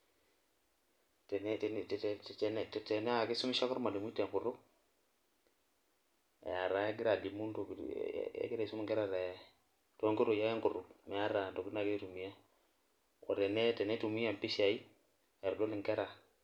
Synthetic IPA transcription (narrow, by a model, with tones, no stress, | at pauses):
te˨n˦˨ttn˦tte˨ne˦a˨ki˦su˦mi˦ʃa˦ko˦ɾma˨di˨mu˦te˨ŋku˨ɾu˦k̚ | ḛ˨a˨ɾa˨e˦ɡi˦ɾa˨di˨mu˦nto̰˨ḛ˦ɡi˦ɾa˨su˦mi˦ŋke˦ɾa˨ɾe˨ | to˦ŋki˦ɾu˨ja˦i˦ŋku˨ɾu˨kme˨a˦ɾa˨do˨ki˦n˦a˨ɡi˦tu˨mi˦ja˦ | o̰˨te˨ne˦te˨ne˦tu˨mi˦ja˨m˨pi˦ʃa˨i˦ | e˨ɾu˨do˦li˨ŋke˦ɾa˨